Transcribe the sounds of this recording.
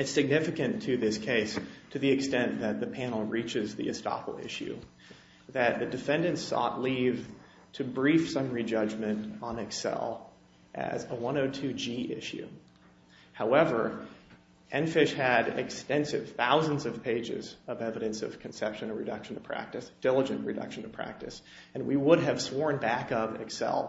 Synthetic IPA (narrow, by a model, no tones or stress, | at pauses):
ɨtsɨɡ̚nɪfɨkɨ̃ntʰɨðɪskʰeɪstʰɨðiɨkstɛ̃nðɨt̪̚ðɨpʰænl̩ˠɹit͡ʃɨzðḭɨ̰stɑ̰pl̩ˠɪ̰ʃʉ̰ | ðɨt̪̚ðɨdɨfɛ̃ndɨ̃nsɔ̰ʔˡliv̥ | tʰɨbɹifsʌ̃mɹid͡ʒʌd͡ʒmɨ̃ntn̩ɨksɛ̰lˠ | ʔɨ̰zəwʌ̃noʊtʰʉd͡ʒiʔɪ̰ʃʉ̰ | haʊɛvə˞ | ʔɛ̃nfɪʃhɨɾɪ̰kstɛ̃nsɨ̰v̥θaʊzɨ̃n̩zʌv̥pʰeɪd͡ʒɪ̰zʌvɛvɨɾɨ̃nsʌ̰v̥kʰn̩sɛpʃɨ̃nʌɹɨdʌ̰kʃn̩tʰəpʰɹ̥æ̰k̚tɨsd̥ɪlˠəd͡ʒɨ̃nʔɹɨdʌ̰kʃn̩tʰɨpʰɹ̥æ̰k̚tɨs | ɨ̃nwiwʊɾɨv̥swɔɹnbækʌvɨ̰ksɛ̰lˠ